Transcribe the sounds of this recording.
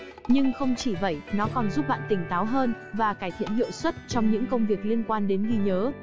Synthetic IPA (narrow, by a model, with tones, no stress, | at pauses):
ɲɨ˧ŋxə˧wŋ͡mt͡ɕi˧˩və̰˧˩jnɔ˨˦kɔ˨˩nzu˦˥p̚ɓa̰ː˧˨nt̪ï˧˩ŋ̟t̪aː˨˦wɦəː˧n | vaː˨˩kaː˧˩jt̪ʰḭ˧˨ənhḭ˧˨əwswə˦˥t̚t͡ɕɔ˧wŋ͡mɲɨ̰˧˥ŋkə˧wŋ͡mvi˨˩ək̚li˧ənkwaː˧nɗe˨˦nɣi˧ɲəː˨˦